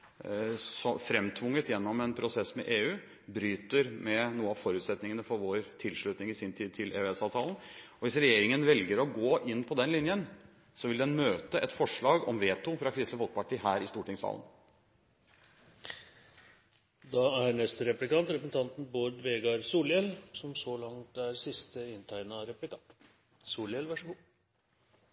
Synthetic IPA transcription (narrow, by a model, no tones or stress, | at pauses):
sɔfɾɛmt̪ʰʋʊŋːət̪jɛnːɔmɛnpʰɾʊsɛsmɛ̰ʔeːʉː | bɾyːt̪əɾmɛnuːəɑʋfɔɾʉːt̪sɛt̪nɪŋənəfɔɾʋoːɾt̪ʰɪlʂɭʉt̪nɪŋɪsɪnt̪ʰiːd̪̚t̪ʰɪlḛːɛsɑːʋt̪ʰɑːlən̩ɔʋɪsɾɛjeːɾɪŋənʋɛlɡəɾɔɡoːʔɪnːpʰɔd̪ɛnlɪnjən | sɔʋɪld̪ɛnmøːt̪əʔɛt̪fɔʂɭɑːɡɔmʋeːt̪ʊfɾɑkʰɾɪst̪əfɔlk̚pɑʈʰiːɦæːɾɪst̪uːʈɪŋsɑ̰ːln | d̪ɑæɾnɛst̪əɾɛplɪkɑnt̪ɾɛpɾəsn̩t̪ʰɑnt̪n̩boːɾɖ̪ʋeːɡɑɾsuːljɛlsɔmsɔlɑŋt̪æɾsɪst̪əɪnt̪ʰæɪnɑɾɛplɪkɑ | suːlɛlʋæʂɡu